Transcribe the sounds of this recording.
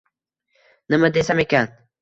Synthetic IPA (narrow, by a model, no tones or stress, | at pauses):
nəməd̪esamekan